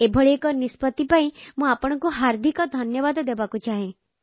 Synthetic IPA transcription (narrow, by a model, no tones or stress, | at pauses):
ebʱɔɭiekɔnispɔt̪ipaĩmũapɔɽ̃ɔ̃ŋkuɦaɾd̪ʱikɔd̪ʱɔnjɔbad̪ɔd̪ebakut͡ʃaɦẽ